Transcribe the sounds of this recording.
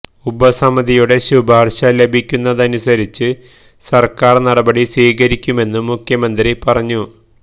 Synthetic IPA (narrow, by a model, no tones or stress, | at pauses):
ubɐsɐmɐðijuɽe̞ɕubaːrɕalːe̞bʱikʲːunːɐðɐnusɐɾit͡ɕːɨ | sɐrkaːrnɐɽɐbɐɽisiːkɐɾikʲːume̞nːɨmukʰjɐmɐnd̪ripɐrɐɲːu